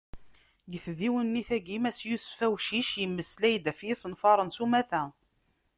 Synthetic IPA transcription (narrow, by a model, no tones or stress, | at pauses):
ɡəθðiwənːiθæɡimæsjusfæwʃiʃjəmːəslæjd̪æfjisənfɑɾˤənsumæθæ